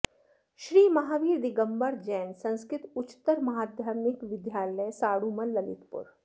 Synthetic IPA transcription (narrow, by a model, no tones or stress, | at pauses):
ʃɾiːmɐɦaːʋiːɾd̪ɪɡəmbəɾd͡ʒɛːnsɐ̃nskɾɪt̪ʊt͡ʃt̪ːəɾmɐɦaːd̪jaːɾmɪkʋɪd̪jaːləjsaːɽumɐlːɐlɪ̰t̪pʊ̰ɾ